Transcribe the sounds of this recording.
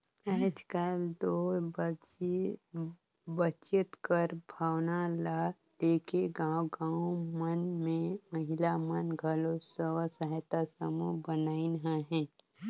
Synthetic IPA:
ɛːd͡ʒkəld̪o | bət͡ʃɪt̪kəɾbʱaːwnala | leːkeɡaːwɡãːʊmənmẽməɦɪlamənɡʱəlosəwəsəɦt̪asəmubənaːinɦaɦɛ̃ː

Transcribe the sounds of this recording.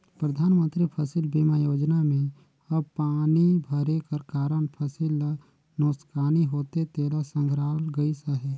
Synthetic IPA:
pɾəd̪ʱaːnmə̃nt̪ɾipʰəsɪlbiːmajoːd͡ʒnamẽ | ɐbpaːnibʱəɾekəɾkaːɾəɳpʰəsɪl | noːskaːniɦoːt̪et̪eːlasə̃ŋɡʱɾaːlɡəisəɦeː

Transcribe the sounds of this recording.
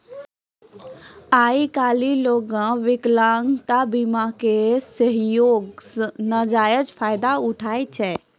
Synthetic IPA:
aikaliloɡãʋɪklaŋɡt̪abimakesəɦjoɡsnəd͡ʒajəd͡ʒpʰajd̪auʈʰajt͡ʃʰɛ

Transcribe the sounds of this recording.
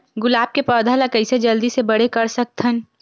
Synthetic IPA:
ɡʊlaːb̚kepɔːd̪ʱalakɐɪsed͡ʒɐld̪isebɐɽ̤ekɐɾsɐk̚t̪ʰən

